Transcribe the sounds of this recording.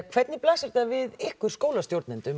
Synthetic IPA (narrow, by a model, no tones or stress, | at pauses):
kʰv̥ɛt̪nɪplaːsɪɾ̥t̪avɪðɪhkʏɾ̥skoːwlast̪jowɾt̪nɛnt̪ʏm